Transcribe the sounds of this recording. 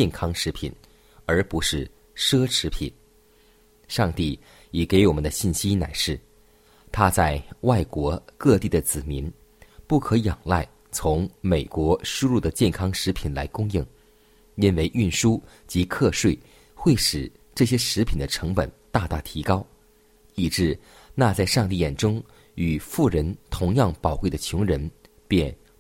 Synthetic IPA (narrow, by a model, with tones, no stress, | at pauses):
t͡ɕɛ˥˩nkʰɑ˥ŋʂɻ̩˧˥pʰḭ˨˩˦n | ə˞˧˥pu˧˥ʂɻ̩˥˩ | ʂɤ˥ʈ͡ʂʰɻ̩˧˥pʰḭ˨˩˦n | ʂɑ˥˧ŋt̪i˥˩ | i˨˩ke˧˥ɪwɔ˨˩mə˦nd̪ə˧ɕi˥˩nɕi˥na˨˩ɪʂɻ̩˥˩ | t̪ʰa˥t͡sa˥˧ɪwa˥˩ɪkwɔ˧˥kɤ˥˧t̪i˥˩d̪ə˩t͡sɹ̩˨˩mi˧˥n | pu˥˩kʰɤ˧˥jɑ˨˩ŋla̰˥˩ɪ | t͡sʰʊ˧˥ŋme˨˩ɪkwɔ˧˥ʂu˥lu˥˩d̪ə˩t͡ɕjɛ˥˩nkʰɑ˥ŋʂɻ̩˧˥pʰi˨˩nla̰˧˥ɪkʊ˥˧ŋji˥˩ŋ | i˥nwe˥˧ɪʔy˥˩nʂu˥ | t͡ɕi˧˥kʰɤ˥˧ʂwe˥˩ɪ | xwe˥˩ɪʂɻ̩˨˩ | ʈ͡ʂɤ˥˩ɕjɛ˥ʂɻ̩˧˥pʰi˨˩nd̪ə˦ʈ͡ʂʰɤ˧˥ŋpə̰˨˩nt̪a˥˧t̪a˥˩t̪ʰi˧˥kɑ˥ʊ | i˨˩ʈ͡ʂɻ̩˥˧ | na˥˧t͡sa˥˧ɪʂɑ˥˧ŋt̪i˥˩jɛ˨˩nʈ͡ʂʊ˥ŋ | y˨˩fu˥˩ɻə˧˥nt̪ʰʊ˧˥ŋjɑ˥˩ŋpɑ˨˩ʊkwe˥˩ɪd̪ə˩t͡ɕʰjʊ˧˥ŋɻə˧˥n | pjɛ˥˧n